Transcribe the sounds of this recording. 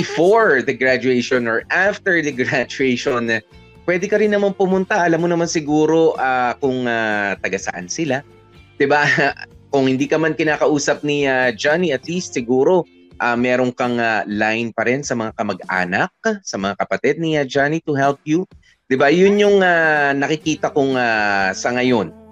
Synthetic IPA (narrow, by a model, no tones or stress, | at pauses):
ɪfoɹd̪ɐɡɹad͡ʒuɛjʃonɔɹʔaft̪ɛɹd̪ɐɡɹad͡ʒʊɛjʃon | pwɛːd̪ɛkɐɾɪnːɐmanpʊmʊnt̪ɐʔɐlamːonɐmansɪɡuːɾo̞ʔaːkʊŋat̪ɐɡɐsɐ̰ʔa̰nsɪla | d̪̥ɪbakʊŋhɪnd̪iːkɐmankɪnaːkɐʔuːsɐp̚niad͡ʒaniɐt̪list̪sɪɡuːɾo̞ | ʔamɛːɾoŋkɐŋalajnpɐɾɛnsɐmɐŋakɐmɐɡa̰ːnɐk̚sɐmɐŋakɐpɐt̪ɪd̪̚niɐd͡ʒanit̪ʊhɛlp̚ju | d̪̥ɪbajʊnjʊŋanɐkɪkiːt̪ɐkʊŋasɐŋɐjo̞n